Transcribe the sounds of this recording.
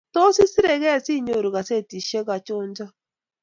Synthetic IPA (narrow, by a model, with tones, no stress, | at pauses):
to˦si˦si˦ɾe˨ɣɛ˦˨si˦˨ɲo˨ɾu˨ɣa˨se˦˨ti˨ʃe˦ɣa˨t͡ʃo˦n˦d͡ʒa˦